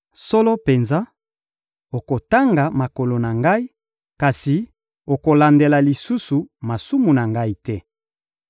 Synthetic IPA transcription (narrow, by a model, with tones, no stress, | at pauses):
so˦lɔ˦pe˨nza˦ | o˨ko˨ta˦ŋɡa˨ma˨ko˨lo˨na˨ŋɡa˦i˦ | ka˨si˨ | o˨ko˨la˨nde˨la˨li˨su˦su˨ma˨su˦mu˨na˨ŋɡa˦i˦tɛ˦